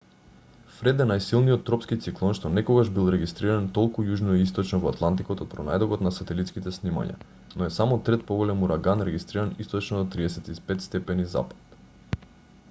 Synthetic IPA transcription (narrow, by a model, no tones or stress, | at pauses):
fɾɛd̪ɛnajsilˠnijɔt̪ːɾɔpskit̪siklˠɔnʃt̪ɔnɛkoɡaʒbilˠɾɛɡist̪ɾiɾant̪ɔlˠkujuʒnoist̪ɔt͡ʃnɔvoat̪lˠant̪ikot̪ot̪̚pɾɔna̰jd̪ɔɡɔt̪nasat̪ɛlit̪skit̪ɛsnima̰ɲa̰ | noɛsamɔt̪ɾɛt̪̚poɡolɛmuɾaɡanɾɛɡist̪ɾiɾanist̪ɔt͡ʃnod̪ot̪ɾiɛsɛt̪ispɛt̪st̪ɛpɛniza̰pḁt̪